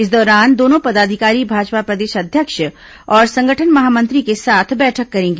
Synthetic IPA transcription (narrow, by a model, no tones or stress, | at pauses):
ɪs̬d̪ɔːɾaːnd̪oːnõpɐd̪aːd̪ʱɪkaːɾibʱaːd͡ʒpapɾɐd̪eːʃɐd̪ʱjəkʃ | ɔːɾsɐ̃ŋɡʱəʈʰənmɐɦaːmɐ̃nt̪ɾikesaːt̪ʰbɛːʈʰəkːɐɾẽːŋɡeː